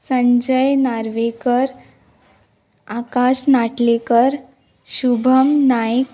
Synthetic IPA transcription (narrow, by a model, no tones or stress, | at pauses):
səɲd͡ʑəjnaɾʋekəɾ | akaɕnaʈlekəɾ | ɕubʱəmnajk